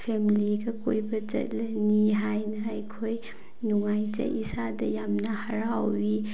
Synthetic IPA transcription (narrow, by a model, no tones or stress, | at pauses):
pʰemiliɡɐkojbɐt͡ʃɐ̰t̚lɐniɦajnɐːjkʰoj | nuŋajt͡ʃɐ̰ʔisadɐjamnɐhaɾawwi